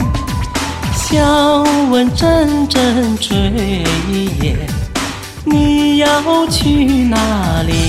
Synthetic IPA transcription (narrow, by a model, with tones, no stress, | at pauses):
ɕjɑ˥wə˧˥nʈ͡ʂə˥˧nʈ͡ʂə˥˧nʈ͡ʂe˧˥˨i˥jɛ˨˩n | ni˨˩jɑ˧o˥˧ʊt͡ɕʰy˧na˧˩li˨˩